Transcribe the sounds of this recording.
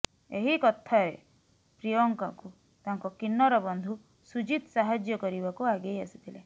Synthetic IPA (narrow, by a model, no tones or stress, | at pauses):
eɦikɔt̪ʰaɾe | pɾijɔŋkɔku | t̪aŋkɔkinːɔɾɔbɔnd̪ʱu | sud͡ʒit̪ɔsaɦad͡ʒjɔkɔɾibakuaɡejasi̥t̪ʰile